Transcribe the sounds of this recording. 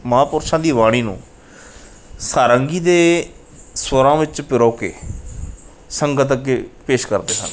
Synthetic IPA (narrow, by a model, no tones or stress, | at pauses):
məãːpʊɾʃãːd̪iːʋaːɽ̃iːnṵ̃ː | saːɾəŋɡiːd̪eː | swəɾãːʋɪt͡ʃpɪɾoːkḛː | səŋɡət̪̬əkeːpeːʃkəɾd̪eːsə̰n